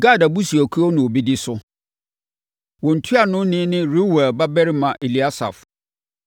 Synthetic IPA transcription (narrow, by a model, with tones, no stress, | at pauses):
ɡa˦˨da˨bu˦si˨æ˨kʰu˦ɔ˦nʊ̃˨o˨bi˦dɪ˦sʊ˦ | wɔ˨n̩˨tʰu˦a˨nʊ̃˦nɪ̃˦nɪ̃˦ɾu˦wɛ˨ba˦bɛ˦ɾɪ˦mã˨ʔe˨li˨˦a˦sa̰˨f